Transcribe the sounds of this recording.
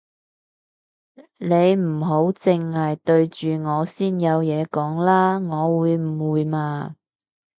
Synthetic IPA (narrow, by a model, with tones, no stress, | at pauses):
ne˨˧jm̩˨˩ɦo˨˥wt͡sɪ˧ŋːaː˨jt̪ɵ˧ɥt͡ʃyː˨ŋɔː˨˧siː˥njɐ˨˧wjɛː˨˧kɔː˨˥ŋlaː˥ŋɔː˨˧wuː˨˧jm̩˨˩wuː˨jmaː˧